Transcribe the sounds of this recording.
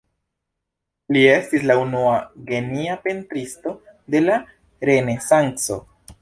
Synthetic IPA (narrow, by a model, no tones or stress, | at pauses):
lie̞stislaunuaɡe̞niape̞ntɾisto̞de̞la | ɾe̞ne̞saŋkso̞̰